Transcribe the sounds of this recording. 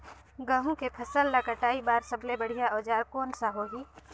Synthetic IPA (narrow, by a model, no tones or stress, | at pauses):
ɡə̃ɦũkepʰɐsəlːakəʈaːibaːɾsɐblebɐɽ̤ijaɔːd͡ʒaːɾkoːnsaɦoːɦiː